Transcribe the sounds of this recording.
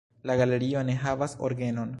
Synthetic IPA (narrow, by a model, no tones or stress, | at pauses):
laɡale̞ɾio̞ne̞ɦavasoɾɡe̞no̞n